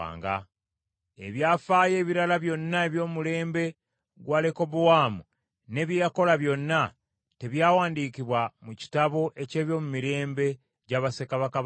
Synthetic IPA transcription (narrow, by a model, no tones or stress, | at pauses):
a̰ːŋɡa̰ | e̞βjaːfaːje̞ːβiɾalaβjo̞nːae̞βjo̞ːmule̞ːmbe̞ | ɡwaːleko̞βuwaːmu | ne̞βjejako̞laβjo̞nːa | te̞βjaːwaːndiːkiβwamuci̥taβo̞ʔe̞ce̞ːβjo̞mumiɾe̞ːmbe̞ | ɟaːβasekaβaka